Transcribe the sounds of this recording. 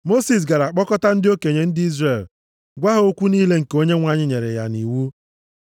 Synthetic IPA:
mo˦si˨s̬ɡa˨ɾa˨k͡pɔ˦kɔ˦ta˦n̩˦dɪ˦o˦ke˨ɲe˨n̩˦dɪ˦i˦zre˨l | ɡʷa˦ɦo˦kʷu˦niː˦le˦ŋ̩˨ko˦ɲe˦ŋʷa˦ɲɪ˦ɲe˨ɾḛ˨ja̰˨ni˨wu˦

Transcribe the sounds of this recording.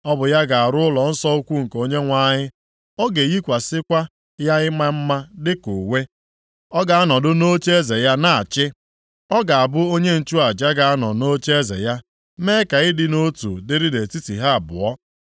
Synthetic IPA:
ɔ˦bʊ˨ja˦ɡa˨a˨ɾʊ˦ʊ˦lɔ˨n̩˦sɔ˦o˦kʷu˦ŋ̩˨ko˦ɲe˦ŋʷa˦˨ɲɪ˦ | ɔ˦ɡe˨ji˦kʷa˨sɪ˦kʷa˦ | ja˦ɪ˦ma˦m̩˦ma˦dɪ˦kṵ˨we˦ | ɔ˦ɡa˨a˦nɔ˨dʊ˦no˦t͡ʃe˦ze˨ja˦na˨a˨t͡ʃɪ˦ | ɔ˦ɡa˨a˨bʊ˦o˦ɲe˦n̩˨t͡ʃu˦a˨d͡ʒa˦ɡa˨a˦nɔ˨no˦t͡ʃe˦zḛ˨ja˦ | me˦ka˨ɪ˦dɪ˨no˦tṵ˨dɪ˦ɾi˦de˨ti˦tḭ˨ɦa˦a˨bʊ̰˨ɔ˦

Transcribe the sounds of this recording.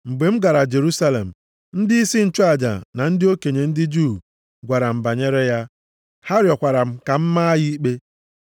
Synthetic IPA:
ŋ͡m̩˨ɡ͡be˨m̩˦ɡa˨ɾa˨d͡ʒe˨ɾu˦sa˦lḛ˨m̩˨ | n̩˦dɪ˦i˦si˦n̩˦˨t͡ʃʊ˦a˨d͡ʒa̰˨na˨n̩˦dɪ˦o˦ke˨ɲe˨n̩˦dɪ˦d͡ʒu˦˨ | ɡʷa˨ɾa˨m̩˨ba˨ɲe˦ɾe˦ja˦ | ha˦ɾjɔ˨kʷa˨ɾa˨m̩˦ka˨m̩˦ma˦jɪ˦i˦k͡pe˦

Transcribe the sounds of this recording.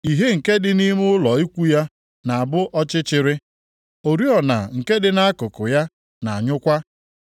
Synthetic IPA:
i˨ɦe˦ŋ̩˨ke˦dɪ˦ni˦m˦ʊ˦lɔ˨i˦kʷu˦ja˦ | na˨a˨bʊ˦ʔɔ˦t͡ʃɪ˦t͡ʃɪ˦ɾɪ˦ | o˨ɾi˦ɔ˨na̰˨ŋ̩˨ke˦dɪ˨na˦kʊ˨kʊ˨ja˦ | na˨a˨ɲʊ˦kʷa˦

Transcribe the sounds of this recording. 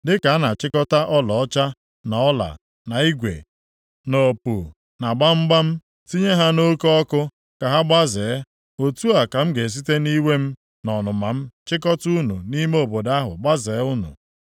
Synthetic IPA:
dɪ˦ka˨a˦na˨t͡ʃɪ˦kɔ˦ta˦ʔɔ˦lɔ˨ɔ˦t͡ʃa˦ | nɔ˨ɔ˦la̰˨ | na˨i˦ɡʷḛ˨ | no˨pu˨ | na˨ɡ͡ba˦m̩˦ɡ͡ba˦m̩˦ | ti˦ɲe˦ɦa˦no˦kɔ˦kʊ˦ | ka˨ɦa˦ɡ͡ba˦zeː˨˦ | o˨tu˦a˨ka˨m̩˦ɡe˨s̬i˦te˦ni˦we˦m̩˦ | nɔ˨nʊ˨ma˨m̩˦t͡ʃɪ˦k̬ɔ˦tu˦nṵ˨ni˦me˦o˨bo˨da˦ɦʊ̰˨ɡ͡ba˦ze˨˦ʊ˦nṵ˨

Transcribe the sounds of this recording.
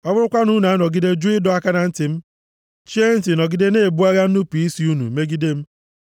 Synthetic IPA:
ɔ˦bʊ˦ɾʊ˦kʷa˦nu˦na˨a˦nɔ˨ɡi˦de˦d͡ʒu˦ɪ˦dɔ˨a˦ka˦na˨n̩˦tɪ˨m̩˦ | t͡ʃe˦n̩˦ti˨nɔ˨ɡɪ˦de˦ne˦˨bu˦a˦ɣa˦n̩˦nu˦pi˨i˦si˨˦u˦nṵ˨me˦ɡi˦de˦m̩˦

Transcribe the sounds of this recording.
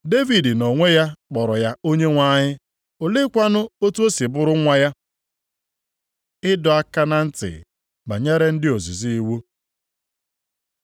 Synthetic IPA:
de˦vi˨dɪ˨no˨ŋʷe˦ja˦k͡pɔ˨ɾɔ˨ja˦o˦ɲe˦ŋʷa˦ɲɪ˦ | o˨lɪ˦kʷa˦nʊ˦o˦tu˦o˦si˨bʊ˦ɾʊ˦ŋʷa˦ja˦ | ɪ˦dɔ˨a˦ka˦na˦n̩˦tɪ̰˨ | ɡ͡ba˨ɲe˦ɾe˦n̩˦dɪ˦o˨zḭ˨zi˦i˦wo˦

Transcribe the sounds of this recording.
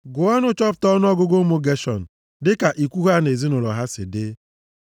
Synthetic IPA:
ɡʊ˨ɔ˦nʊ˦t͡ʃɔ˦pʊ̥˨tɔ˦nʊ˦ɔ˦ɡʊ˦ɡo˦mo˦ɡe˦ʃɔ̰˨n̩˨ | dɪ˦ka˨ʔi˨kʷu˦ɦa˦ne˨zi˦nʊ˨lɔ̰˨ɦa˦sɪ̰˨dɪ˦

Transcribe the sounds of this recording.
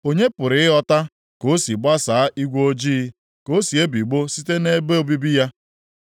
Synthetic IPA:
o˦ɲe˦pʊ˨ɾɪ˨ɪ˦ɔ˦ta˦ | ko˦si˨ɡ͡ba˦saː˨a˦ʔi˦ɡʷo˦d͡ʒiː˦ | ko˦si˨e˦bi˨ɡ͡bo˦si˦te˦ne˦be˦o˦bi˦bi˦ja˦

